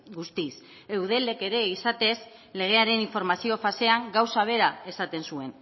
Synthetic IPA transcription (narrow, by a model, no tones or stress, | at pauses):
ɡust̪is | e̞wð̞e̞le̞ke̞ɾe̞isat̪e̞s | le̞ɣ̞e̞aɾe̞niɱfo̞ɾmasio̞fase̞aŋɡawsaβ̞e̞ɾae̞sat̪e̞nsue̞n